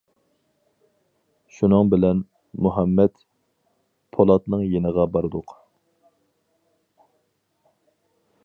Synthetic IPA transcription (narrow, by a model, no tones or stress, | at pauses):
ʃunɨŋbɪlɛn | muɦɛmːɛt̪ | pʰolˠɑt̪nɨŋjenəʁɑbɑɾɨd̪ʊq